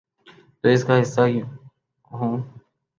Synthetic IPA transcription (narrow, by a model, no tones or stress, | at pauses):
t̪oːɪskaːɦɪsːaː | ɦõː